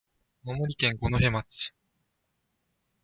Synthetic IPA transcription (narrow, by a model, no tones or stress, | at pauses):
mamoɾʲikẽ̞ŋɡonoɦe̞mat͡ɕi̥